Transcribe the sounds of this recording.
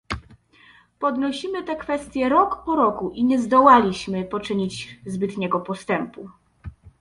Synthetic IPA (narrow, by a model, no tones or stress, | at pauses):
pɔd̪nɔɕimɘt̪ɛkfɛst̪ʲjɛɾɔkpɔɾɔkuʔiɲɛzd̪ɔwalʲiɕmɘpɔt͡ʂɘɲid͡ʑzbɘt̪ɲɛɡɔpɔst̪ɛmpu